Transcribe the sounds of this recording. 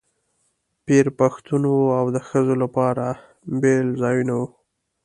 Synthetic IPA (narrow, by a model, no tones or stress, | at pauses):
peɾpaxt̪unoawd̪əxəzolapɑɾa | belzɑjunawu